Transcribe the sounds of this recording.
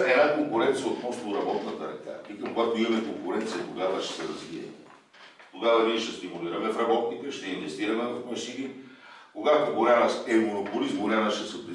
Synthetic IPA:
ɛnakoŋkʊɾɛnt̪sijəot̪mɔst̪oɾɐbɔt̪nɐt̪ɐɾɛ̰ka̰pikɐkoɡat̪oimɐmɛkoŋkʊɾɛnt̪sijɐkoɡavɐʃɛ̥sɛɾɐzviɛ̰i | t̪oɡavɐniɛʃt̪ɛst̪imuliɾɐmɛfɾɐbɔt̪nit̪ɛʃt̪ɛinvɛst̪iɾɐmɛvɐfmɛʃini | koɡat̪oboɾanɐsɛmonopolizmoɾanɐʃɛsɐpɾi

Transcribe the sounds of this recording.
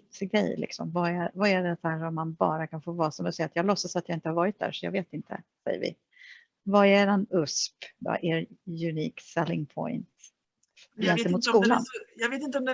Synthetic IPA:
t̪sɡɾɛ̰jlɪ̰ksɔ̰mvaɛvaɛɖɛt̪æɾɔmːanbɑ̰ːɾakʰanfoːvɑːsɔmd̪ɛsɛjːat̪jɑːɡlɔsːasat̪jɑaːɪnt̪əhaɾvɑːɾɪt̪̚d̪æ̰ɾʂɔjɑ̰ɡveːt̪ɪnt̪ʰə̰sɛ̰jːə̰ɾvɪ̰ | vaɛɖɛnɵspda̰ʔeɾjɵniːksɛlːɪŋpʰɔ̰ɪnt̪ | jɛnt̪ɛmmuːt̪skuːla̰njɑɡveːt̪ɪnt̪əɔmd̪

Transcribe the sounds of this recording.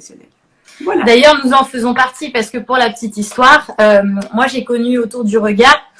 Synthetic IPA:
d̪ajœʁnuzɑ̃fəzɔ̃paʁt̪ipaʁsə̥kəpuʁlapə̥t̪it̪ist̪waːʁømmwaʒekɔnyot̪uʁd̪yʁəɡʲaʁ

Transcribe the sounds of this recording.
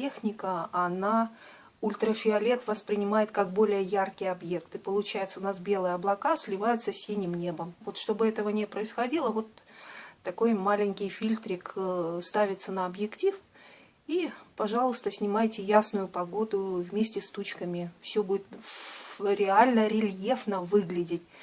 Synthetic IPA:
exnʲɪkəɐna | ʊlʲt̪ɾəfʲɪɐlʲe̞t̪vəspɾʲɪnʲɪmajɪt̪kakbo̞lʲɪjəjarkʲɪjɐbje̞kt̪ɨpəlˠʊt͡ɕæjɪt̪səʊnasbʲe̞lˠɨjəɐblˠɐkasʲlʲɪvajʊt̪səsʲinʲɪmnʲe̞bəmvo̞t̪ʂt̪o̞bɨɛt̪əvənʲɪpɾəɪsxɐdʲilˠəvo̞t̪ː | ɐko̞jmalʲɪŋʲkʲɪjfʲilʲt̪ɾʲɪkst̪avʲɪt̪sənəɐbjɪktʲif | ipɐʐɑlˠəst̪əsʲnʲɪmajtʲɪjasnʊjʊpɐɡo̞d̪ʊvmʲesʲtʲɪst̪ut͡ɕkəmʲɪfsʲɵbudʲɪt̪ | ɾʲɪalʲnəɾʲɪlʲjefnəvɨɡlʲɪdʲɪtʲ

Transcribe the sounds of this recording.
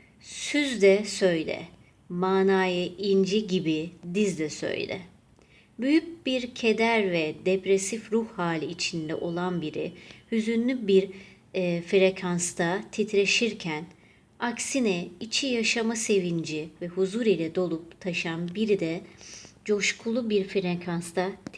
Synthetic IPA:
syzd̪ɛsø̞jlʲɛ̰ | maːnaːjɯind͡ʒiɟibid̪izd̪ɛsø̰jlʲɛ̰ | byjyc̚biɾcʰe̞d̪æɾvɛd̪epɾesifɾuhhaːlʲiːt͡ʃʰind̪ɛ̰ʔo̞lˠanbiɾihyzynlʲybiɾ | fɾekʰanst̪ʰat̪ʰit̪ʰɾe̞ʃiɾcʰæn | aksinɛit͡ʃʰijaʃamase̞vind͡ʒivɛhuzuɾilʲɛd̪o̞lˠup̚t̪ʰaʃanbiɾid̪ɛd͡ʒo̞ʃkʰulˠubiɾfiɾekʰanst̪ʰat̪

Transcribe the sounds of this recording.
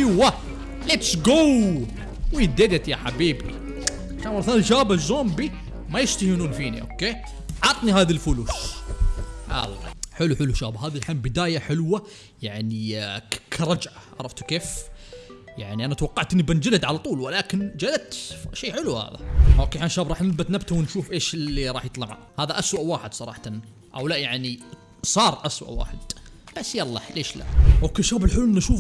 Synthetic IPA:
wa | lɪt̪sɡow | wid̪ed̪at̪jaħabiːbḭ | ʕaʃaːnmaθalnʃaːbazoːmbi | majɪʃt̪ahinuːnfiːnḭʔo̰ːkːeː | ʕɑt̪ˤniɦaːðalfʊluːʃ | ʕa̰lːa̰ħɪluħɪlːuʃa̰ːbaɦaːðilħambɪd̪aːjaħɪlwa | jaʕnikʰɾˤɑd͡ʒʕaʕɑ̰ɾˤɑft̪keːf | jaʕniʔanat̪awɑqːɑʕt̪ʔɪnːibɪnd͡ʒɪlad̪ʕalat̪ˤuːlwɪlaːkɪnd͡ʒalat̪ʃeːħɪluha̰ːða̰hokːeːħanʃaːbɾˤɑːħnɪlbat̪nabt̪awɪnʃuːfʔeːʃlːiɾˤɑːħjɨt̪ˤlɑʕa̰ | haːðaʔaswaʔwaːħɪd̪sˤɑɾˤɑ̰ːħt̪an | ʔa̰wlaʔjaʕni | sˤɑːɾˤʔaswa̰ʔwa̰ːħɪd̪̥b̥asːjalˤːɑleːʃla̰ʔhoːkeːʃaːbɪlħɪlːuʔɪnːaʃuːf

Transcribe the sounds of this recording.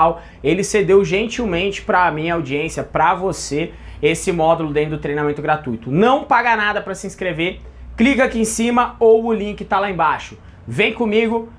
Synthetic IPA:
w | elɪsed̪ewʒẽnt͡ʃiwmẽnt͡ʃɪ̥pɾɐmĩɲɐawd͡ʒiẽsjɐpɾɐvose | esɪmɔd̪ʊlʊd̪ẽd̪ʊt̪ɾejnamẽnt̪ʊɡɾat̪ujt̪ʊnɐ̃w̃paɡanad̪ɐpɾɐsɪĩskɾeve | klikakiẽsĩmɐowʊlĩŋkɪt̪alaẽbaʃʊ | vẽj̃kõmiɡʊ

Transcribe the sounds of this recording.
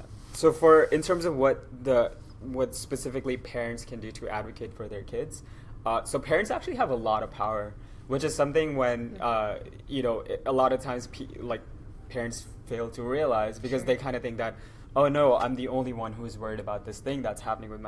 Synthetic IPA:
soʊfə˞ɨ̃ntʰɜ̃˞mzʌvwʌt̪̚ðɨ | wʌtspɨsɪfɨklipʰɛɹɨ̃ntskʰɨ̃ndɨɾɨʔæ̰dvɨkʰɨɪtfə˞ðə˞kʰɪdz̥ | ʌsoʊpʰɛɹɨ̃ntsæk̚t͡ʃʉl̩ˠiəvəlɔɾʌv̥pʰaʊə˞ | wɨt͡ʃɨz̥sʌ̃mθɪ̃ŋwɨ̃nʌ | jɨnoʊʔɪʔəlɔɾʌv̥tʰãɪ̃mz̥pʰlaɪk̚ | pʰɛɹɨ̃nts | feɪlˠdtʰəɹiəlaɪzbɨkʌzðeɪkʰãɪ̃ndɨθɪ̃ŋk̚ðɨɾ̚ | oʊnoʊã̰ɪ̃mðiõʊ̃nliwʌ̃nɦuɨzwɜ˞iɾɨbaʊt̪̚ðɪsθɪ̃ŋðætshæpənɪ̃ŋwɨðm

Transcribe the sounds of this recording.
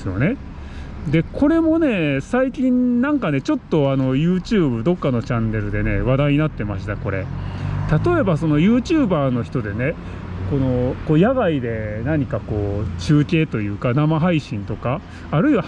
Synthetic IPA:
sɨjo̞̰ne̞ | d̪e̞kʰo̞ɾe̞mo̞ne̞saikʲĩnnãŋkane̞t͡ɕo̞t̪ːo̞ano̞jɯ̟ːt͡ɕɨːbɯ̟d̪o̞kːano̞t͡ɕãnːe̞ɾɯ̟d̪e̞ne̞̰β̞ad̪aiɲ̟inat̪ːe̞maɕi̥t̪ako̞ɾe̞̰t̪at̪o̞e̞baso̞no̞jɯ̟ːt͡ɕɨːbaːno̞çi̥t̪o̞d̪e̞ne̞ | ko̞no̞ko̞ːjaɡaid̪e̞naɲ̟ikako̞ːt͡ɕɨːkʲe̞ːt̪o̞jɯ̟ːkanamaɦaiɕĩnt̪o̞kaː | ɾɯ̟iβa

